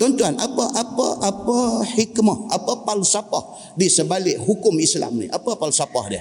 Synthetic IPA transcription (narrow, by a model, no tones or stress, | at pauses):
t̪ɔnt̪uanʔapaʔapa̰ʔapahikmahapapalusapah | disəbalɪʔhukʊmisla̰mnḭʔapapalusapa̰hdiə